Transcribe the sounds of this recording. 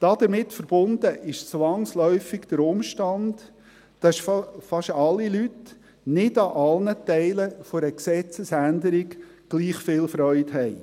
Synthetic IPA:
d̥ɑd̪̥əɾmɪtfəɾb̥ʊnd̥əʔɪʃt͡sʋɑŋslœʏfɪɡd̥̪əɾʊmʃtɑnd̥ː | ɑʃffɑʃɑlːilyt | nɪdɑʔɑlnətɛɪləfoɾəksɛt͡səsændəɾɪɡ | ɡ̥liːχfɪːlfɾœʏthɛɪ

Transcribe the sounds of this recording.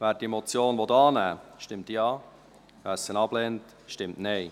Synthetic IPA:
væːɾdimɔt͡sjoːnʋɔtɑːnæːʃtɪmtjɑː | væsənɑblɛnt | ʃtɪmtnɛɪ

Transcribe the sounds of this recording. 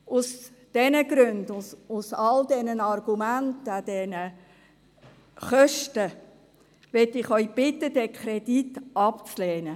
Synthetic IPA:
ʊs | d̥ɛnəɡɾøndʊʊsɑldɛnənɑrɡ̥umæntəd̥ɛnə | χœʃtə | ʋɛtɪχœʏb̥ɪtːəd̥ɛkʰɾɛditʔɑpt͡slɛːnə

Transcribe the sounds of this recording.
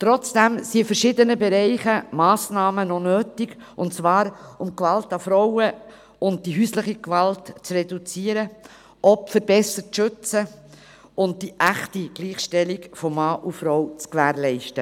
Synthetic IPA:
t̪ɾɔt͡sd̥æmsiəfəɾʃɪdənəbɛɾɛɪχəmɑːsnɑːmənɔnøːtɪɡ | ʔʊntt͡sʋɑːɾʊmkʋɑltɑfɾɔwə | ʊnt̚d̥iɦyːsləχikʋɑltt͡srɛdut͡siːəɾə | ʔɔpfəɾbɛsəʃɵt͡sə | ʊnt̚d̥iʔæχtiɡ̥liːχʃtɛlikfɔmːɑːʔufɾɔwt͡skʋæːɾlɛɪʃtə

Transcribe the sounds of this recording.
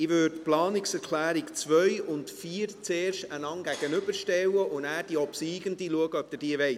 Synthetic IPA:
ɪʋørtplɑːnɪksɛɾkʰlæːɾikt͡sʋœʏʊntfiːɾt͡seːrʃtənɑŋɡæɡ̥ənʏbəɾʃtɛwəʔʊnæːɾd̥iɔpsiːɡəndiluəɡəœb̚d̥̪əd̥iːəʋɛɪs

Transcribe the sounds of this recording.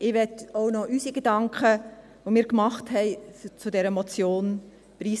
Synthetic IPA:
ʔɪʋɛtoʊnɔʔysiɡedɑŋkχə | ʋomiːkmɑχthɛɪt͡sudɛɾəmɔt͡sjoːn | pɾiːs

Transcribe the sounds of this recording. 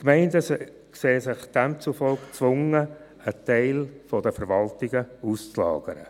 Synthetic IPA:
kmɛɪndəs | kseːsɪχd̥æmt͡sufɔlkt͡sʋʊŋə | ətɛɪlfɔdəfəɾʋɑltɪɡəust͡slɑ̰ːɡ̥əɾə̰

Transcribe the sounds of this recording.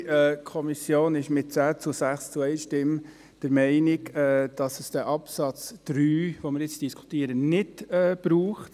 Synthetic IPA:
ɛkʰɔmisjoːnɪʃmɪt̚t͡sæːt͡sʊsæχst͡sʊɛɪʃtɪm | d̥əɾmɛɪnɪɡɛd̥ɑsəsd̥ɛʔɑpsɑt͡sd̥ɾyːʋomɪɾjɪt͡sd̥iskʰu̥tiːəɾənɪdɛb̥ɾuːχt

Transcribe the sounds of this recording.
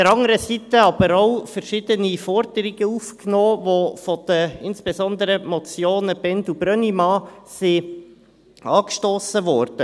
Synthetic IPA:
dəɾɑŋəɾəsit̪əɑbəɾaʊfəɾʃɪd̥̪ənifɔɾd̥əɾɪɡəufknoːvofɔd̪̥əɪnsb̥ɛzɔnd̪əɾəmɔt͡sjoːnəb̥ɛnd̪ub̥ɾœnimɑːsi | ɑːkʃtoːsəʋɔɾd̥ə

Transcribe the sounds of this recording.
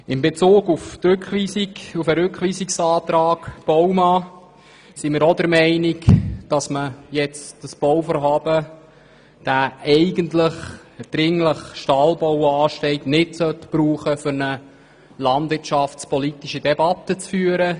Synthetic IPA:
ɪmbet͡suːɡuftɾʏkχʋiːsiufəɾʏkχʋiːsiksɑːt̪ɾɑːkb̥ɔwmɑː | simɪɾɔd̪əɾmɛɪnikd̥ɑsməjɛt͡sd̥əsb̥ɔwfɔɾɦɑːb̥ə | d̥æːɛɪɡəntləχ | əd̥ɾɪŋləχʃtɑːlbɔwɑːʃtɛɪtnɪtsœtpɾuːχəfʏɾnə | lɑndvɪrt͡ʃɑftspɔlitiʃəd̥ɛbɑt̪ːət͡sfyːəɾə

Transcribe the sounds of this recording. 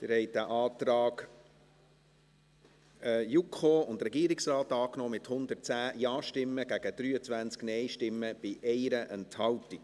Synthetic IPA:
t̪ɪɾhɛɪtdæʔɑːt̪ɾɑːɡ | ɛjukχoːʊnt̪rɛɡiːɾɪksrɑːtɑːknɔːmɪthʊnd̪ətt͡sæːjɑːʃtɪmːəɡ̥æɡ̥əd̥̪ɾyːət͡sʋænt͡sknɛɪʃtɪmːəb̥ɪʔɛɪɾəʔɛnthɑltik

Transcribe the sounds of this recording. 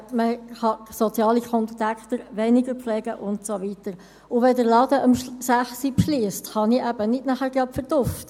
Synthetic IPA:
məχɑsɔt͡sjɑːlikʰɔnttækχt̪əɾʋɛnɪɡəɾflɛːɡ̥əʔʊntsoʋitəɾ | ʊʋɛdəɾlɑːdəʔɑmsæχsipʃliːsthɑniʔæb̥ənɪdnæχæːɾɡ̥ɑpfəɾd̥ʊft

